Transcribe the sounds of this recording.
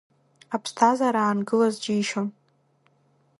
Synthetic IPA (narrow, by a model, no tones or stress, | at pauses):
apʰstʰazaɾaːnɡɨlazd͡ʒiːʃon